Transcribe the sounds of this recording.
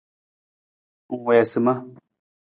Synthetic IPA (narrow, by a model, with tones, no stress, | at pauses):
ŋ̩˨wɛ˨ja˨sɨ˨mã˦